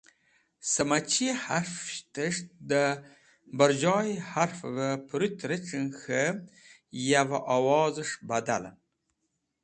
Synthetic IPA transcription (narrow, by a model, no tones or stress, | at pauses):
səmat͡ʃihaɾft̪əʂd̪ə | bəɾd͡ʒɑːjhaɾfvəpɾut̪ɾəʈ͡ʂənxə | javaʔɑwɑːzəʂbad̪a̰la̰